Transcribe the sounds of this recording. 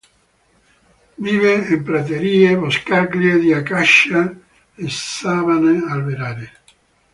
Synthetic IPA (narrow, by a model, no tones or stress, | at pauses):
viːveempɾat̪̬eɾiːevoskaɾkljed̪iakaʃa | esavanealbeɾaːɾe